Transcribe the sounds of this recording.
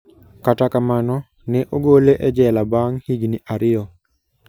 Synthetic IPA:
katakamanɔ | nɛʔoɡoleʔɛd͡ʒɛlabaŋhiɡniʔaɾɪɔ

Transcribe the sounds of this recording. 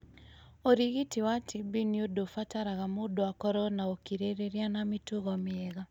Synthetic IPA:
oɾiɣitiwatʰibiniodofataɾaɣamodoakɔɾɔnaokiɾeɾeɾianamituɣɔmɪɛɣa

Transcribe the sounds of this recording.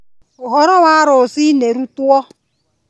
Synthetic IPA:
ʊɦɔɾɔwʷaɾʊsineɾutuɔ

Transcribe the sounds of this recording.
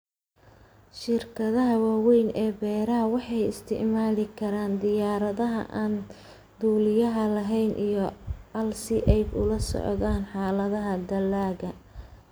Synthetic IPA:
ʃɪrkʰɐðɐɦɐwaːwɛjnʔɛːbɛːɾɐɦɐwɑħɑjɪst̪ʰɪ̰ʕmaːlɪkʰɐɾaːnd̪ɪjaːɾɐðɐɦɐ̰ʔaːn | d̪uːlɪjɐɦɐlɐɦɛjnʔijɞɐlsɪʔɛjbʊ̰lɐsɔ̰ʕðaːnħɑːlɐðɐɦɐd̪ɐlːaːɣɐ

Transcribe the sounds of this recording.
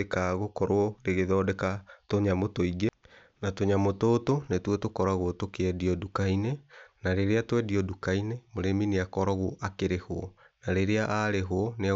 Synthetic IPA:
ekaɣokɔɾoɔɾeɣeðɔdɛkatoɲamotoiɡe | natoɲamototonetwɔtokɔɾaɣotokeɛdiɔdukainenaɾeɾeatwɛdiɔdukainemoɾemineakɔɾɔɣoʔakeɾehoɔ | naɾeɾeaʔaɾeɦoɔnea

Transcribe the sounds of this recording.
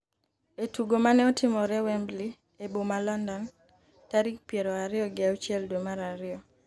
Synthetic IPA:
etuɡomanɛɔtɪmɔɾɛwɛmbli | ebomalɔndɔn | taɾik̚pjeɾɔaɾɪɔɡɪawt͡ʃɪɛldomaɾaɾɪɔ

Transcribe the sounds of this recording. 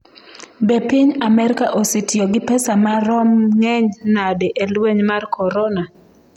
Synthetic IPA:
bepiɲamɛɾɪkaʔositjoɡɪpɛsamaɾɔmŋɛɲnadeʔelweɲmarkʰɔɾɔna

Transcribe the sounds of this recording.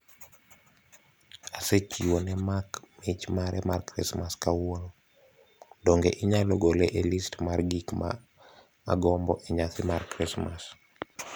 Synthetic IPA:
aset͡ʃiwonɛmakmit͡ʃmaɾɛmarkɾḭsmaskawoɾo | doŋɡeʔiɲaloɡoleʔelistmarɡikma̰ː | ɡɔmbɔʔeɲat̪ɪmarkɾismas

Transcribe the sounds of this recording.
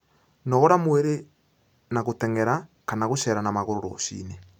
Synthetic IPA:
nɔɣɔɾamweɾe | naɣotɛŋɛɾakanaɣoʃɛɾanamaɣoɾoɾo̰ʃḭːne

